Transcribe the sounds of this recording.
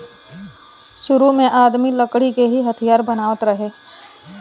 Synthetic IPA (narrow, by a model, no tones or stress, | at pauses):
ʃʊɾumẽʔaːd̪milɐkɽikeɦiɦɐt̪ʰijaːɾbɐnaːʋət̪ɾɐɦeː